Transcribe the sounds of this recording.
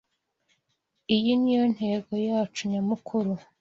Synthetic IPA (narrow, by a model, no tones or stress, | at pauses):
ijinijo̞n̥he̞ːɡo̞jaːt͡ʃuɲamukʰuɾu